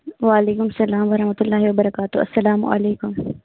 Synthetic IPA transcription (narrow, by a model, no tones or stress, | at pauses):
ʋaːɐleːkʊmɐsɐlaːmʋɐɾɐhmɐt̪ʊlːaːɦiwɐbɐɾɐkaːt̪ʊɐ̰sːɐlaːm̰ʔɐ̰leːkʊm